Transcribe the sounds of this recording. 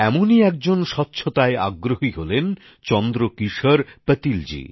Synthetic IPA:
ɛmoniɛk̚d͡ʑonʃɔtːɕʰot̪aea̰ɡːɾoɦiɦolen | t͡ɕɔnd̪ɾokiʃoɾpət̪ild͡ʑḭ

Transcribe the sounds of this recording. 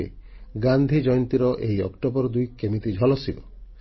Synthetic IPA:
ḛ | ɡand̪ʱid͡ʒɔjɔnt̪iɾɔʔejɔ̰kʈobɔɾɔd̪ujkemit̪id͡ʒʱɔlɔsibɔ̰

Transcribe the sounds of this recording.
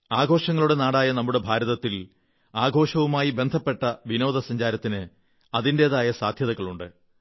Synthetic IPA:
aːɡʱo̞ːʂɐŋːɐɭuɽe̞naːɽaːjɐnɐmːuɽe̞bʱaːɾɐðɐt̪ːil | aːɡʱo̞ːʂɐʋumaːjibe̞nd̪ʱɐpːe̞ʈːɐʋino̞ːd̪ɐsɐɲd͡ʑaːɾɐt̪ːinɨ | ɐðinde̞ːðaːjɐsaːd̪ʱjɐðɐɣːɐɭuɳɖɨ̰

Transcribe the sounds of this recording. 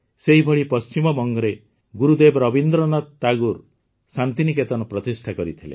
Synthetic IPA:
seɦibʱɔɭipɔst͡ʃimɔbɔŋɡɔɾe | ɡuɾud̪ebɔɾɔbind̪ɾɔnɔt̪t̪aɡuɾ | sant̪iniket̪ɔnɔpɾɔt̪isʈʰakɔɾit̪ʰilḛ

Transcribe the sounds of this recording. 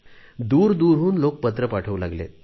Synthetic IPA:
d̪uːɾd̪uːɾɦuːnlok̚pət̪ɾəpaʈʰəʋlaɡlḛ

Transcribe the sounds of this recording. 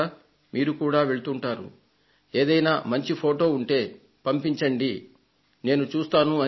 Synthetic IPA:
miːɾukuːɽaːʋe̞ɭut̪uɳʈaːɾṵ | e̞ːd̪ɐjnaːmɐɲt͡ʃipʰo̞ːʈo̞ːuɳʈe̞ː | pɐmpiɲt͡ʃɐɳɖi | ne̞ːnut͡ʃuːst̪aːnuɐ

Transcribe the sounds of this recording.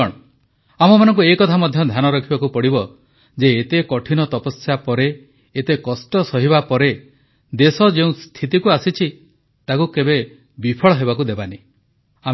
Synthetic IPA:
ɔɽ̃ | amɔmanɔŋkuekɔt̪ʰamɔd̪ʱjɔd̪ʱjanɔɾɔkʰibakupɔɽibɔ | d͡ʒeːt̪ekɔʈʰinɔt̪ɔpɔsjapɔɾeː | t̪ekɔsʈɔsɔɦibapɔɾe | d̪esɔd͡ʒeũst̪ʰit̪ikuasit͡ʃʰi | t̪akukebe | bipʰɔɭɔɦebakud̪ebani | am

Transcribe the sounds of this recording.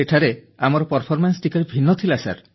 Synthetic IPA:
eʈʰaɾe | amɔɾɔpɔɾpʰɔɾmansʈikaɾebʱinːɔt̪ʰilasa̰ɾ

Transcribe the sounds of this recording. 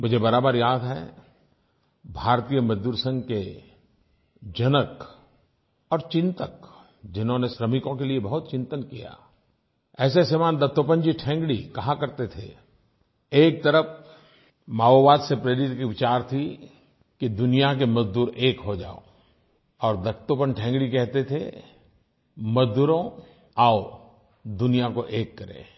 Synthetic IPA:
mʊd͡ʒʱebɐɾaːbəɾjaːd̪ɦɛ̰ | bʱaːɾt̪ijəmɐzd̪uːɾsə̃ŋɡke | d͡ʒɐnək | ɔːɾt͡ʃɪ̃nt̪ək | d͡ʒɪnɦõneʃɾəmɪkõkeliebɐɦʊt̪̚t͡ʃɪ̃nt̪ənkija̰ː | ɛːsesemaːnd̪ɐt̪ːop̬ə̃ɲd͡ʒiʈʰɛ̃ːŋɡɽḭkɐɦãkɐɾt̪et̪ʰḛ | eːk̚t̪əɾəpʰ | maːoʋaːd̪sepɾeːɾɪt̪kiʋɪt͡ʃaːɾt̪ʰi | kid̪ʊnijak̬emɐzd̪uːɾeːkɦod͡ʒa̰ːo̰ | ɔːɾd̪ɐt̪opənʈʰɛ̃ːŋɡɽikɛɦt̪et̪ʰḛ | mɐzd̪uːɾõ | ao | d̪ʊnijakoʔeːkːɐɾḛ̃ː

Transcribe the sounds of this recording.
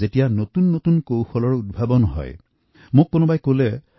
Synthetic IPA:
etijanotunːotunkowxɔlɔɹud̚bʱabɔnɔɦɔ̰j | mʊkːonɔbajkolɛ

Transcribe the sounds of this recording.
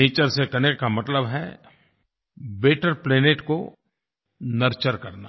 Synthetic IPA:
eːt͡ʃəɾsekɐnekkamɐt̪ləbɦɛ | beːʈəɾpleːneːʈko | nɐɾt͡ʃəɾkɐɾna̰ː

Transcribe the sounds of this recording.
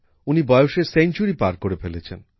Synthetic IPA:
unibɔeoʃeɾsent͡ɕuɾipaɾkoɾefelet͡ɕʰḛn

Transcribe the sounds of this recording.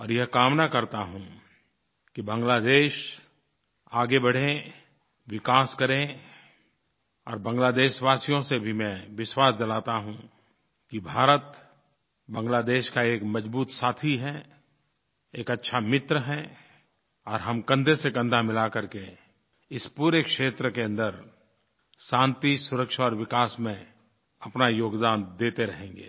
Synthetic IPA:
ɔːɾjɛɦkaːmnakɐɾt̪aɦũ | kibɐ̃ŋɡlaːd̪eːʃ | aːɡebɐɽ̤ẽ | ʋɪkaːskɐɾẽ | ɔːɾbɐ̃ŋɡlaːd̪eːʃʋaːsijõsebʱimɛ̃ʋɪʃwaːsd͡ʒɐlaːt̪aɦũ | kibʱaːɾət̪ | bɐ̃ŋɡlaːd̪eːʃkaeːkmɐd͡ʒbuːt̪saːt̪ʰiɦɛ | eːkɐtːʃʰamɪt̪ɾəɦɛ | ɔːɾɦɐmkɐ̃nd̪ʱesekə̃nd̪ʱamɪlakɐɾke | ɪspuːɾekʃeːt̪ɾəkeɐ̃nd̪əɾ | sãːnt̪isʊɾəkʃaɔːɾʋɪkaːsmẽ | ɐpnajoːɡd̪aːnd̪eːt̪eɾɐɦẽːŋ̆ɡḛː

